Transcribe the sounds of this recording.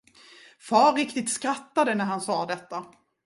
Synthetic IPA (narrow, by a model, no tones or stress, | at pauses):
fɑːɾɪkt̪ɪt̪skɾat̪ːad̪ənæɾhansɑːd̪ɛt̪ːa